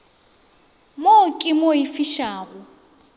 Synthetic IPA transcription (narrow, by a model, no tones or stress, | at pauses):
mokʼɪmoifiʃaːɣʊ